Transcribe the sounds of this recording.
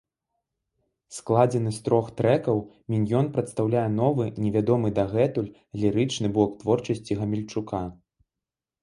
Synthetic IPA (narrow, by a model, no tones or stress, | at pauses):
sklˠad͡zʲɛnɨst̪ɾɔxt̪ɾɛkɐwmʲinʲjɔnpɾɐt̪st̪awlʲajɛn̪ɔvɨnʲɛvʲad̪ɔmɨd̪ɐɣɛt̪ulʲ | lʲiɾɨt͡ʂnɨbɔkt̪vɔrt͡ʂɐsʲt͡sʲiɣɐmʲɛlʲt͡ʂukʰa